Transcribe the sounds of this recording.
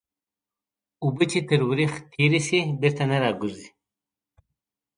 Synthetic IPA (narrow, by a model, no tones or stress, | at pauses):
ubət͡ʃit̪əɾwɾixt̪ʰiɾisibiɾt̪anaɾaːɡuɾzi